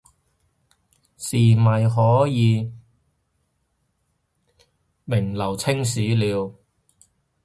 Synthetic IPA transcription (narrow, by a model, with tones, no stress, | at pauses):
siː˨˩mɐ˨˩jɦɔː˨˥jiː˨˧ | mɪ˨˩ŋlɐ˨˩wt͡sʰɪ˥ŋs̬iː˨˥liː˨˧w